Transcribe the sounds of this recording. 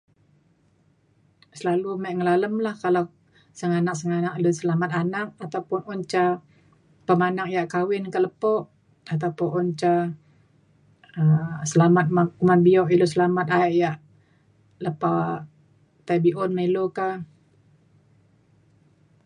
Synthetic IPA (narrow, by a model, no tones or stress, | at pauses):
səlalumaʔŋəlaləmlahkala | səŋanak̚səŋanaʔilosəlamat̪anak̚at̪awpʊnɔɲt͡ʃa | pəmanak̚jaʔkawɪnkaləpɔʔ | at̪̬awpɔnʔɔnt͡ʃa | əsəlamat̪̚makumanbiɔʔilosəlamat̪̚aɛʔjaʔ | ləpa | t̪abiʔɔnmiloka